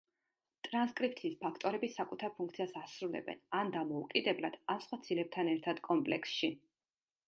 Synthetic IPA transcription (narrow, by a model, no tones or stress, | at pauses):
t̪ʼɾanskʼɾip̚ʰt̪ʰiːspʰakʰt̪ʼɔɾɛbisakʼut̪ʰaɾpʰuŋk̚ʰt̪sʰiasasɾulɛ̰bɛ̰nand̪amɔukʼid̪ɛblad̪̥amsχwat̪sʰilɛp̚t̪ʰanɛɾt̪ʰad̪̥kʼɔmpʼlɛksʃi